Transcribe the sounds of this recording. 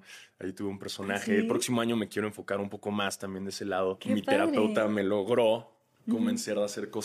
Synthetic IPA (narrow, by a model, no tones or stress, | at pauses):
a̰jit̪uβeumpe̞ɾso̞naxe̞ːlpɾo̞ksimo̞aɲo̞mekje̞ɾoeɱfo̞kaɾumpo̞ko̞mast̪ambje̞nd̪ese̞lað̞o̞mit̪eɾape̞wt̪ame̞lo̞ɣɾo̞ | ko̞mẽnseɾðease̞ɾko̞